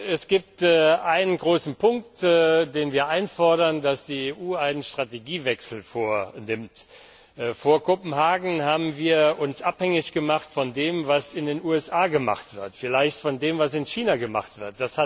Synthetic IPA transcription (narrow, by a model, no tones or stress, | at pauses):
ɛsɡ̥iːp̚tːʔaɪnənɡʁoːsn̩pʰʊŋk̚tːdeːnviːɐʔaɪnfɔɐɾɐndasd̥iːeːʔuːaɪnənʃtʁ̥ateɡiːvɛksl̩foːɐnɪmtː | foːɐkʰopm̩haːɡŋ̩haːbm̩viːɐʔʊnsʔaphɛŋɪçɡ̥əmaχtfɔndeːmvasɪndeːnuːɛsʔaːɡəma̰χtv̥ɪɐtfɪlaɪçtfɔndeːmvasɪnçiːnaɡəma̰χtv̥ɪɐt̚d̥asha